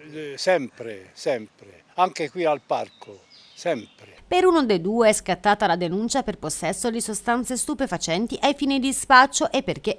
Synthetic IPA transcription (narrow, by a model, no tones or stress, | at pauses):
sɛmpɾesɛmpɾe | aŋkekwialpa̰rkʰo | sɛmpɾepeɾunod̪ejd̪uːeɛskat̪ːaːt̪alad̪enunt͡ʃaperposːɛsːod̪isost̪ant̪sest̪upefat͡ʃɛnt̪iʔajfiːnid̪ispat͡ʃːoʔepːerk̟e